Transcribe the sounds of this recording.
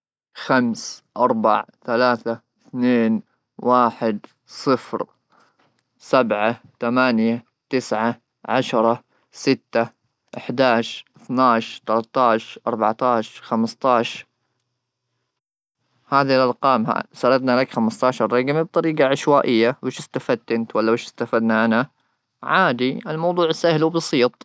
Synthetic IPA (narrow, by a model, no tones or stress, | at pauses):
xamsʔɑɾˤba̰ʕθalaːθa | θneːn | waːħɪd̪ | sˤɨfɾ | sabʕat̪amaːnja | t̪ɪsʕa | ʕaʃɾˤɑ | sɪt̪ːa | ʔɪħd̪aːʃɾʔɪθnaːʃɾt̪alat̪ːɑːʃɾˤʔɑ̰ɾˤbaʕt̪ɑːʃɑɾˤxamst̪ɑːʃɑɾ | haːðilʔɑɾˤqɑːmɦa̰sɑɾˤɑd̪nalakxamɪst̪ɑːʃɑɾˤːɑɡmib̚t̪ˤɑɾiːɡɑʕɪʃwaːʔɪjːawɪʃɪst̪afad̪̚t̪ɪnt̪walːabɪːʃɪ̥st̪afad̪naʔana | ʕaːd̪iɪlmɑwd̪ˤuːʕɪsahluwbɑsiːt̪ˤ